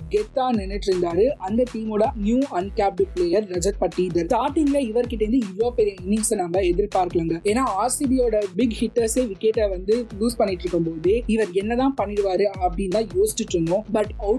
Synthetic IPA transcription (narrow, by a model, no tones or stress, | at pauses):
ɡɛt̪ːaːnɛnːɯʈːɪɾɯnd̪aːɾɯʔɐnd̪ɐʈ̪iːmoːɽɐnjuːɐnkaːp̚ɖɯpleːjɐɾːɐd͡ʒɐɾ̚pɐʈːid̪ɐɾt̪aːʈːɪŋlɐɪʋɐɾkɪʈ̬ːɐɪnd̪ɯɪʋɭoːpɛɾɪjɐnɪnɪŋsɐnɐmɐɛðɪɾpaːɾkɐɭaːŋɡɐeːnːaːaːɾsiːbioːɽɐbɪɡhɪʈːɐseʋɪkːeːʈːɐʋɐnd̪ɯjuːspɐɳːɪʈːɾɯkːɯmpoːðɯɪʋɐɾɛnːɐt̪ãːpɐɳːɪɽɯʋaːɾɯɐpːɐɽɪnt̪ãːjoːsʈːɪʈːɾɯnd̪õːbɐʈɐʊ